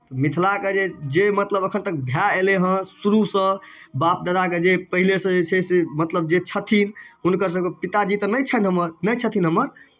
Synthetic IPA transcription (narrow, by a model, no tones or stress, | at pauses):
t̪ɔmit̪ʰlaked͡ʒed͡ʒemət̪ləbəkʰənt̪ək̚bʱjaeleɦə̃suɾusə̃bap̚d̪ad̪aked͡ʒepəɦilesə̃d͡ʒet͡ʃʰɛsemət̪ləbd͡ʒet͡ʃʰət̪ʰinɦunkəɾs̬ə̃bkepit̪ad͡ʒit̪ɔnəjt͡ʃʰənɦəməɾnəjt͡ʃʰət̪ʰinɦəməɾ